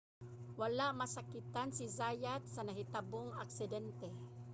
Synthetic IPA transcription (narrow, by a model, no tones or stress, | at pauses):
walaʔmasakɪt̪ansizajat̪̚sanaɦɪt̪aboŋaksɪd̪ɛnt̪ɛ